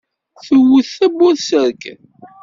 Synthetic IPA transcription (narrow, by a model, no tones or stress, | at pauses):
θəwʊθæbːʊɾsəɾk